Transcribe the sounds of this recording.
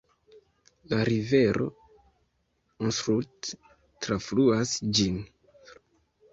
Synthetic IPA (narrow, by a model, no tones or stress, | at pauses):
laɾive̞ɾo̞̰ | onsɾut | tɾafluasd͡ʒin